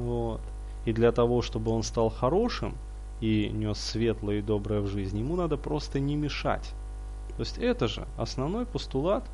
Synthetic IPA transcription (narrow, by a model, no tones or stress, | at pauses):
vot̪ | id̪lʲɐt̪ɐvo̞ʂt̪o̞bɨo̞nst̪ɑlˠxɐɾo̞ʂɨ̰m | inʲo̞sːvʲe̞t̪lˠəjəɪd̪o̞bɾəjəvʐɨzʲnʲjɪmunad̪əpɾo̞st̪ənʲɪmʲɪʂa̰tʲ | t̪o̞sʲtʲɛt̪əʐɨ̰ɐ̰snɐvno̞jpəst̪ʊlˠat̪